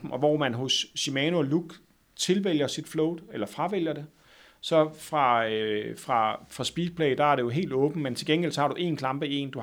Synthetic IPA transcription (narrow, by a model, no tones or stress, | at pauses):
m̩ʔɒ̽ʋɒ̰mænɦosːimɛːnuɒluɡ̥ | t͡sʰe̝lʋel̰jɐsid̥flɔʊd̥ˠelɐfʁɑ̈ʋel̰jɐd̥e̝ | sɒ̽fʁɑ̈øfʁɑ̈fʁɑ̈sb̥iːd̥̚pʰlɛ̰ɪd̥ɑ̈æɐɾe̝jo̝ɦe̝̰ːld̥ɔ̽ːb̥n̩ment͡sʰe̝lɡ̥enɡ̥elsɒhɑ̈ɾ̥uʔe̝ːnkʰlɑ̈mb̥əie̝̰ːnd̥u